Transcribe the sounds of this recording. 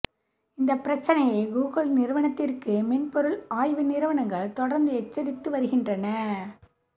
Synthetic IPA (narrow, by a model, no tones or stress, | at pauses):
ɪnd̪ɐpːɪɾɐt͡ʃːɐnɐjɐɪɡuːɣɐɭnɪɾɯʋɐɳɐt̪ːɪrkɯmɛnpɔɾɯɭaːjʋɯnɪɾɯʋɐɳɐŋɡɐɭt̪ɔɽɐɾnd̪ɯɛt͡ʃːɐɾɪt̪ːɯʋɐɾɯɣɪndrɐnɐ